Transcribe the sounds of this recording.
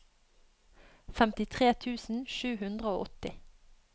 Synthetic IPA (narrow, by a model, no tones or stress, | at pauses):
fɛmt̪ɪt̪ʰʁeːt̪ʰʉːsn̩ʃʉːhʉnd̪ʁəoːʔɔt̪ɪ